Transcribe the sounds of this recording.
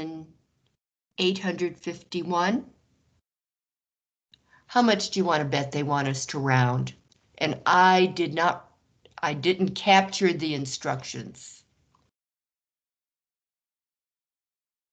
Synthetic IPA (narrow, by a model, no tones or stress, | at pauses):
n | eɪt̚hʌ̃ndɹɨd̥fɪftiwʌ̃n | haʊmʌt͡ʃd̥ɨjɨwɑ̃ɾ̃ɨbɛt̪̚ðeɪwɑ̃ɾ̃ʌstʰəɹãʊ̃nd | ʔɨ̃naɪdɪdⁿnət̚ | ʔaɪdɪdⁿn̩kʰæp̚t͡ʃə˞ðiɨ̃nstɹ̥ʌkʃɨ̰̃nz̥